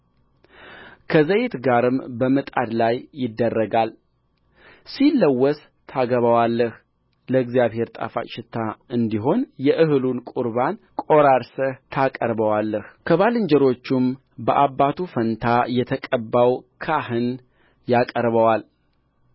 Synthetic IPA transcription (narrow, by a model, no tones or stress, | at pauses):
kʰəzəjet̪ɡaɾɨmbəmət̪ʼa̰d̪lajːɪd̪ːərːəɡal | silːəwːɔs | t̪ʰaɡəβəwalːəh | ləɨɡzjaβhe̞ɾt̪ʼa̰fa̰t͡ʃɪt̪ʰːaɨnd̪iɦo̞njɛʔɨhɨlunkʼuɾban | kʼo̞ɾaɾsəht̪ʰakʼəɾbəwalːəhkʰəβalɨɲd͡ʒɛɾo̞t͡ʃːum | bəʔabːat̪ʰufənt̪ʰajɛt̪ʰəkʼəbːawkʰahɨn | jakʼəɾβəwal